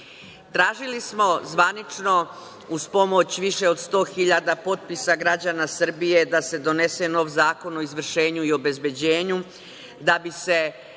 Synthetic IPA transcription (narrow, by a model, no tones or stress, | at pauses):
t̪ɾaːʒilismo̞zʋanit͡ʃno̞ | uspo̞mo̞t͡ɕʋiʃe̞o̞d̪st̪o̞ːxiʎad̪apo̞t̪̚pisaɡɾad͡ʑanasr̩bije̞d̪ase̞d̪o̞ne̞se̞no̞ːʋzaːko̞no̞izʋr̩ʃe̞ːɲuio̞be̞zbe̞d͡ʑe̞ːɲu | d̪abise̞